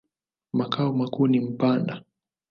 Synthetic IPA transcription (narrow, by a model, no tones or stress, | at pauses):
makaɔmakuːnim̩panda